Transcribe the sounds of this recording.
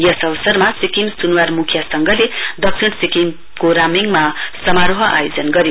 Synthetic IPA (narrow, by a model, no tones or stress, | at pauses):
jʌsʌβʌsʌrmasikimsunuwarmukʰjasʌŋɡʌled̪ʌksiɳsikim | koɾamiŋmasʌmaɾoɦʌʔa̰jod͡zʌnɡʌɾi